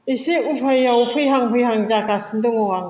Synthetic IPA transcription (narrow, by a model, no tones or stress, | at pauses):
iseupʰajːawpʰɯjɦaŋpʰɯjɦaŋzakasɯndɯŋɔŋaŋ